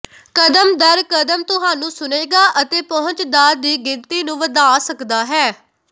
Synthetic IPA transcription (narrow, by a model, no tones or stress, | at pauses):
kəd̪əmd̪əɾkəd̪əmt̪ʊɦaːnũːsʊneːɡaːʔət̪eːpɔɦʊ̃ɲt͡ʃd̪aːɾd̪iːɡɪnt̪iːnũːʋəd̪aːsəkd̪aːɦɛː